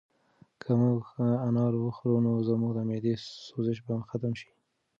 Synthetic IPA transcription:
kʰamuɡanɑɾwəxɾunozəmuɡd̪əmed̪esozɪʃ̬baxat̪amʃi̥

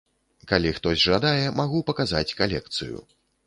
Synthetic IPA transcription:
kalʲixt̪ɔzʲʐad̪ajɛmaɣupɐkaza̰t͡sʲkalʲɛk̚t̪sɨ̰jṵ

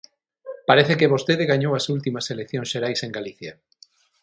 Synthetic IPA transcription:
paɾeθekeβost̪eðɪɣaɲowɐsult̪imɐselek̚θjõnsʃeɾajseŋɡaliθja

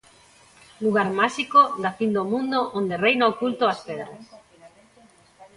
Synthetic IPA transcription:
luɣ̞aɾmaʃikod̪afind̪omũnd̪oʔond̪erejnaokult̪oaspɛðɾas

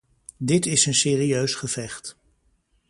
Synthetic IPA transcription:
dɪtɪsənsɪːriøɥsχəvɛχt

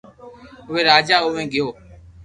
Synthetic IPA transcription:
ʊʋeːɾaːd͡ʒaːʊʋẽːɡɪjoː

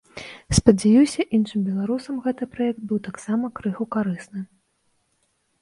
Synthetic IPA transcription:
spɐd͡zʲajiwsʲɐʔinʂɨmbʲɛlˠaɾusɐmɣɛt̪ɨpɾajɛk̚t̪̚bɨwt̪aksamɐkɾɨxukaɾɨsnɨ

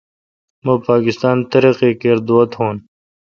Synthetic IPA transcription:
mɐ̃ːpaːkɪst̪aːnt̪ɐɾeqekeːɾd̪oːɐt̪hõːn

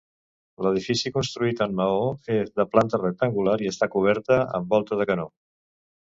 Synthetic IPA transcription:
ləð̞ifisikunst̪ɾuit̪əmːəoezðəplant̪ərək̚t̪əŋɡulaɾiəst̪akuβ̞ɛɾt̪əə̰mbɔlˠt̪əðəkəno

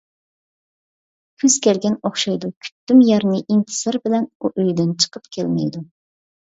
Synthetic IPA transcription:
kʲʰyz̥kʲɛlɡʲɛnoχʃɑjd̪ukʲʰy̥t̪ːymjɑɾnɨʔint̪ʰɨ̥sɑɾbɪlɛnuʔøjd̪ɪnt͡ʃʰə̥qəpkʲʰɛlmɛ̰jd̪u

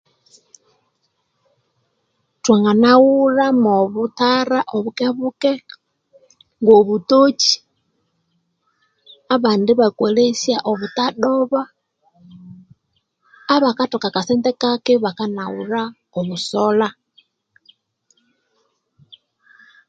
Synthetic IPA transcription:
twaŋɡanawuɾamoβutaɾaʔoβukeβukɛ | ŋɡoβutot͡ʃi̥ | aβaːndiβakwelesjaʔoβutaɗoβa | βakatokakasentɛkakɛβakanawuɾa | oβusɔla

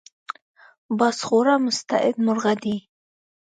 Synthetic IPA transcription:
bɑsχoɾamʊst̪a̰ʔɪd̪mʊɾɣad̪i

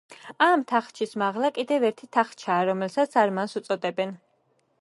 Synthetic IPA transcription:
amt̪ʰaχt͡ʃʰismaʁlˠakʼid̪ɛvɛɾt̪ʰit̪ʰaχt͡ʃʰaːɾɔmɛlsat̪sʰaɾmansut̪sʼɔd̪ɛbɛn

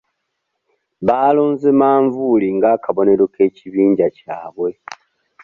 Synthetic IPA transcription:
βaːloːnzemaːɱvuliŋɡakʰaβo̞ne̞lwoke̞ːciβiːɲɟacaːβwe̞

